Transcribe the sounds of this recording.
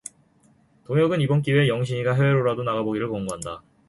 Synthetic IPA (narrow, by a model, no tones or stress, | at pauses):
toŋjʌɡɯnibʌnk͈iwe̞jʌŋɕ̬ʰiɲiɡaɦeeɾoɾadonaɡaboɡiɾɯɭkʌŋɡoɦanda